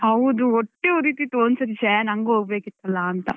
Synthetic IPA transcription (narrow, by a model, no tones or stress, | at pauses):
hɐwd̪uoʈːeoɾiːt̪it̪oːnsɐɾit͡ʃeːnɐŋɡuoːɡbeːkit̪ːɐlːɐːnt̪ɐ